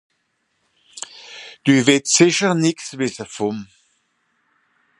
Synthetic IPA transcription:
d̥yːvɪtsɪçənɪksvɪsəfʊm

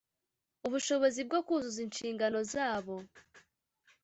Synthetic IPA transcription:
uβuʃo̞βo̞zib̚ɡo̞kuzuzinʃiːŋɡano̞zaːβo̞

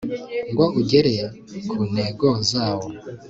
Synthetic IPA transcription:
ŋɡwaʔuɟeɾe | kʰuneɡozaːwo

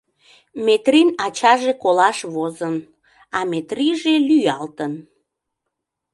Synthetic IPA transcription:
met̪rinɑt͡ɕɑʒekolɑʃβozən | ɑmet̪riʒelyjɑlt̪ən

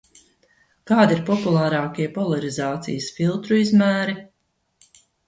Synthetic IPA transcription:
kaːd̪iɾpɔpulˠaːɾɑːkʲiɛpɔlˠaɾizɑːt̪sḭjəsfilˠt̪ɾuizmæːɾi

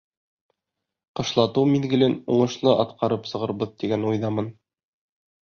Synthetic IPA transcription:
qɤ̆ʃlˠɑt̪ɤwmiðɡɘ̆lɘnuɴɤ̆ʃlˠɤʔɑt̪qɑɾɤpsɤ̆ʁɤ̆ɾbɤðt̪iɡænujðɑmɤn

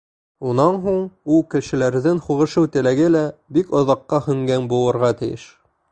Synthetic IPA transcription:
unɑnɦuɴulˠkɘ̆ʃɘ̆læɾðɘŋχuʁɤ̆ʃɤwt̪ɘ̆læɡɘlæbikŏðɑqːɑhɵ̆ŋɡænbulˠɤ̆ɾʁɑt̪ɘ̆jɘ̰ʃ

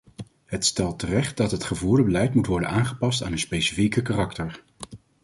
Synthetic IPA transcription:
ɦətstɛlˠtərɛχt̚dɑtɦətχəvuːɹdəbəlɛjtmutʋɔɹdənaːŋχəpɑstaːnənspejsi̥fikəkarɑktəɹ

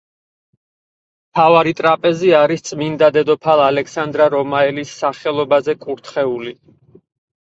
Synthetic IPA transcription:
mt̪ʰavaɾit̪ʼɾapʼɛziaɾist̪sʼmind̪ad̪ɛd̪ɔpʰalˠalɛksand̪ɾaɾɔmaɛlisːaχɛlˠɔbazɛkʼuɾt̪ʰχɛuli

